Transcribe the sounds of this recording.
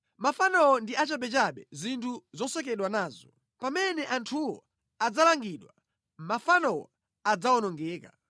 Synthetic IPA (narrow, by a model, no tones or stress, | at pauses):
mafanɔwɔndiat͡ʃaɓɛt͡ʃaɓɛzintʰuzɔsɛkɛɗwanaːzɔ | pamɛnɛʔantʰuwɔ̰ | ad͡zalaŋɡiɗwa | mafanɔwɔ̰ | ad͡zaɔnɔŋɡɛːka